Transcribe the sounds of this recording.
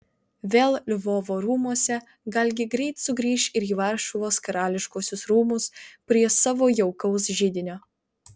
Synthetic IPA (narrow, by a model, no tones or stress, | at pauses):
ʋʲeːlˠlʲʊʋoːʋoːɾuːmuɔsʲɛ | ɡɐlʲɡʲɪɡɾʲɛɪt̪sʊɡɾʲiːʃɪɾiːʋɐɾʃʊʋoːskɐɾɑːlʲɪʃkoːsʲʊsɾuːmʊspʲɾʲiɛsɑːʋoːjɛʊkɐʊs̬ʒʲɪd̪ʲɪnʲoː